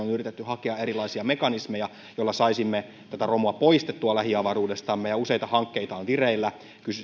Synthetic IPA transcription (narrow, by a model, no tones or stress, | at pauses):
onyrit̪et̪ːyhɑkeɑeɾilˑɑisiɑmekɑnismejɑ | jolːɑsɑisimːe | t̪æt̪æromuɑpoist̪et̪ːuɑlæhiɑʋɑruːdest̪ɑmːejɑuse̞jt̪ɑhɑŋkːeit̪ɑːnʋireilːæ | kysy